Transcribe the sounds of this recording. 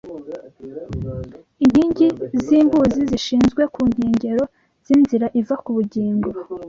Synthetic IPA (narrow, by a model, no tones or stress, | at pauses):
iɲhiːɲɟiziːmbuːziziʃiːnzɡwe̞kuːɲ̥he̞ːɲɟe̞ɾo̞ | z̥inziɾaʔivakuβuɟiːŋɡuɾ